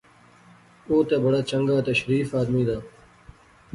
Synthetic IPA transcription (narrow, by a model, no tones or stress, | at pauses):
oːt̪eːbəɽaːt͡ʃəŋɡaːt̪ɐʃɾiːfaːd̪miːd̪aː